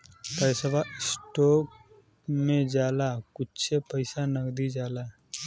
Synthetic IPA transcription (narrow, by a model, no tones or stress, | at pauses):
p̪əjsəbʱaɪsʈɔːk | mẽd͡ʒaːlakʊtːt͡ʃʰepəɪsanəkd̪id͡ʒaːlaː